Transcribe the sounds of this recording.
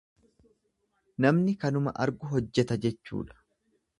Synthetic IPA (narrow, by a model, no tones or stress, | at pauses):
nɐmnɪkɐnʊmɐ̰ʔɐ̰ɾɡʊɦɔd͡ʒːɛt̪ɐd͡ʒɛt͡ʃːṵːᶑɐ̥